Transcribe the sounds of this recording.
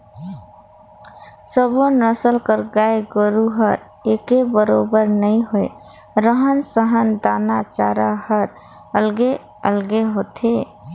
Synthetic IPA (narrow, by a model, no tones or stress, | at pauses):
səbonəsəlkəɾɡaeɡəɾuɦəɾ | ekebəɾobəɾnəiɦoe | ɾəɦənsəɦənd̪anat͡ʃaɾahəɾ | əlɡe | əlɡeɦot̪ʰe